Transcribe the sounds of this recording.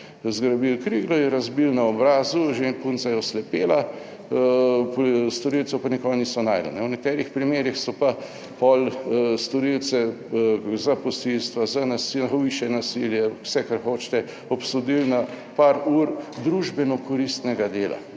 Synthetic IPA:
zɡɾabiwkɾiɡlɔjɛɾazbilnaɔbɾaːzuʒenpunt̪sajɔslɛpeːla | pst̪ɔɾilt̪sɛpanɛkɔnisɔnajɾlɛ̰nɛwnɛkt̪ɛːɾixpɾimeːɾixsɔpa | pɔlst̪ɔɾilt̪sɛ | zapɔsilst̪ʋazanasiʋiʃjɛnasiljɛwsɛkaɾxoːt͡ʃt̪ɛ | ɔpsod̪ilna | paɾuɾd̪ɾuʒbɛnɔkɔɾist̪nɛɡad̪eːla̰

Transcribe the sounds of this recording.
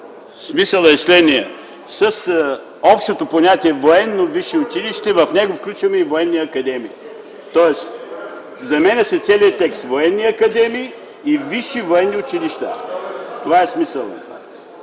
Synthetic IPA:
smisəlˠɐslɛniɐ̰ | sɐs | ɔpʃt̪ot̪oponʲat̪iɛvoɛnːoviʃiʊt͡ʃiliʃt̪ɛvɐfnɛɡofklʲut͡ʃvɐmɛivoɛnːiɐkɐd̪ɛmiː | t̪ɔɛs | zɐmɛnɛsɛt̪sɛliət̪ɛkst̪voɛnːiɐkɐd̪ɛmiː | viʃivoɛnːiʊt͡ʃiliʃt̪at̪ovaɛsmisəlˠa

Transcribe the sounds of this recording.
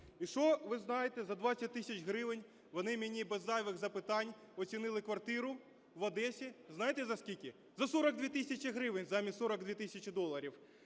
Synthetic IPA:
iʃɔʋɪznɑjet̪ɛzɐd̪ʋasʲɐt̚ʲt̪ɪsʲɐt͡ʃɦɾɪʋenʲ | ʋɔnɪmʲɪnʲibɛzːɑjʋɪɣzɐpɪt̪ɑnʲ | ɔsʲinɪlˠɪkʋɐrt̪ɪɾʊ | ʋɐd̪ɛsʲiznɑjet̪ɛzɐskʲilʲkʲɪ | zɐsɔɾɐɡ̚d̪ʋʲit̪isʲɐt͡ʃʲɪɦɾɪʋɪnʲzamʲisɔɾɐɡd̪ʋʲit̪ɪsʲɐt͡ʃɪd̪ɔlˠɐɾʲiw

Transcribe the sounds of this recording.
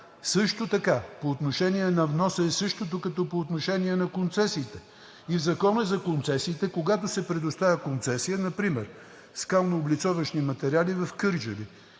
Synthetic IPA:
sɤʃt̪ot̪ɐkapoːt̪noʃɛniɛnɐvnɔsəɛsɤʃt̪ot̪okɐt̪ɔpoːt̪noʃɛniɛnɐkont̪sɛsiːt̪ɛ | ivzɐkɔnəzɐkont̪sɛsiːt̪ɛkoɡat̪osɛpɾɛd̪ost̪avʲəkont̪sɛsijənɐpɾimɛɾ | skalˠnoːblit̪sɔvəʃnimɐt̪ɛɾialivɐfkɤɾd͡ʒəvi

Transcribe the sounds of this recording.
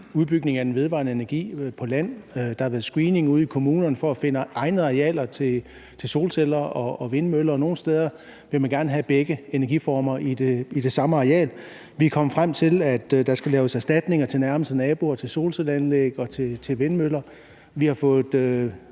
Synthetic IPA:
uðˠb̥yɡ̥ne̝ŋæd̥en̩ʋe̝ð̞ˠʋɑ̈ːnəe̝nɐɡ̥ḭːpʰɒ̽læn̰d̥ɑhɑ̈ʋæːɐðˠsɡ̥ʁiːne̝ŋuð̰ˠikʰo̝muːnɐnəfɒ̽æfe̝nəɑ̈ɪnð̩ˠɑ̈ʁeɛ̰ːlɐt͡sʰe̝ | t͡sʰe̝lso̝ːlselɐɒ̽ːʋe̝nmølɐːno̝ːn̩sd̥eːð̞ˠɐ | ʋe̝mænɡ̥æɐnəɦæb̥eɡ̥əe̝næɐɡ̥ifɒːmɐʔid̥eid̥e̝sɑ̈məɑ̈ʁɛ̰ːl | ʋikʰɒ̽məfʁam̰t͡sʰe̝læd̥d̥ɑ̈sɡ̥ælɛːʊəsæsd̥æd̥ne̝ŋɐt͡sʰe̝lnæɐməsd̥ənɛːb̥o̝ɒt͡sʰe̝lso̝̰ːlselænleɡ̥ɒ̽t͡sʰe̝t͡sʰe̝lʋe̝nmølɐ | ʋihɑ̈fɔ̽ːð̩ˠø

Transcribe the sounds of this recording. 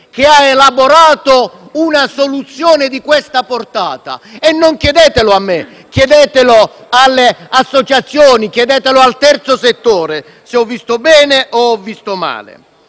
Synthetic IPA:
k̟ɪaelaboɾaːt̪ʊunasolut̪sːjɔːnɪd̪ikwɛst̪aport̪a̰ːt̪a̰ɛnːoŋkjɛd̪ɛːt̪ɪlʊamːɪ | kjɛd̪ɛːt̪ɪloalːɪasːot͡ʃat̪sːjoːnikjɛd̪ɛːt̪elʊalt̪ɛrt̪sʊset̪ːoːɾe | sɪɔvːist̪ʊbɛːnɪʔɔɔvːist̪oma̰ːlɪ̰

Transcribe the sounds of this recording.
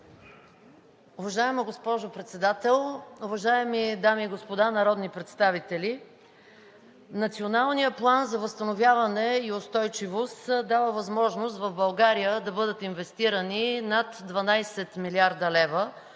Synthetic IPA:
ʊvɐʒaɛməɡospɔʒopɾɛt̪sɛd̪at̪ɛlˠʊvɐʒaɛmid̪amiːɡospod̪anɐɾɔd̪nipɾɛt̪st̪avit̪ɛlʲi | nɐt̪sionalˠnijəplˠanzɐvəst̪ənovʲjavɐnɛiʊst̪ɔjt͡ʃivost̪d̪avəvɐzmɔʒnost̪vɐvbɐlˠɡaɾijəd̪ɐbɤd̪ət̪invɛst̪iɾəninat̪d̪vɐnajsɛt̪miliaɾd̪əlɛvə

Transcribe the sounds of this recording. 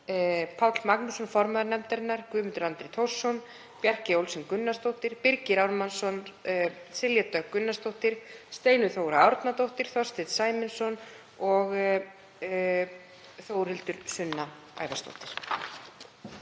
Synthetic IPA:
pʰawt̪lmaknʏsɔnfɔɾmaðʏɾnɛmt̪aɾɪnːaɾkʏːmʏnt̪ʏɾant̪ɾet̪ʰowr̥sːɔn | pjɛr̥cɪowlsʏnkʏnːast̪owht̪ɪɾ̥pɪɾcɪɾawɾmansɔn | sɪljat̪œkːʏnːast̪owht̪ɪɾ̥st̪eːjnʏθoːwɾaɔɾt̪nat̪owht̪ɪɾ̥θɔ̥st̪ɪðsaːjmɪnsɔn | ɔɣ | θowɾ̥hɪlt̪ʏɾ̥sʏnːa | a̰ːjvast̪o̰wht̪ɪɾ̥

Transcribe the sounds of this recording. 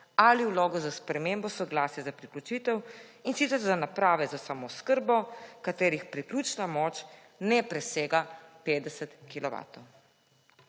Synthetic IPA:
aliwloːɡɔzaspɾɛmembɔsɔɡlaːsjɛzapɾiklʲut͡ʃit̪ɛwinsit̪ɛɾzanapɾaːʋɛzasamɔskəɾbɔkat̪eːɾixpɾikluːt͡ʃnamɔːt͡ʃ | nɛpɾɛseːɡapeːd̪ɛsət̪kilɔʋa̰t̪ɔw

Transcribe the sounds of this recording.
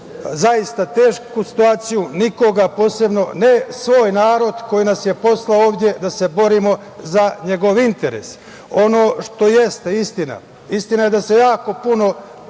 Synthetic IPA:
zajist̪at̪e̞ːʃkusi̥t̪uaːt̪sijuniko̞ɡapo̞ːse̞bno̞nesʋo̞ːjnaːɾo̞d̪ko̞jinasje̞po̞slaoːʋd̪ʲje̞d̪ase̞bo̞ɾimo̞ | zaɲe̞ɡo̞ʋint̪e̞ɾḛs | o̞no̞ːʃt̪o̞jest̪eist̪ina̰ | ist̪inaje̞d̪ase̞jaːko̞puno̞

